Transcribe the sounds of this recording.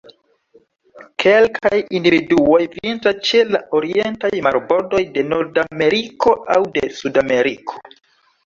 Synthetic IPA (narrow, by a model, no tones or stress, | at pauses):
kʰe̞lkʰajindividuo̞jvintast͡ʃe̞laʔo̞ɾie̞ntajmaɾbo̞ɾdo̞jde̞no̞ɾdame̞ɾiko̞ʔawdesudame̞ɾikʰo̞̥